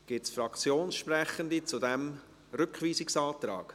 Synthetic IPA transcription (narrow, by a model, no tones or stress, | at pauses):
ɡ̥ɪtsfɾɑkt͡sjoːnsʃpɾɛχəndit͡sudɛm | ɾʏkχviːsɪksɑːt̪ɾɑ̰ːɡ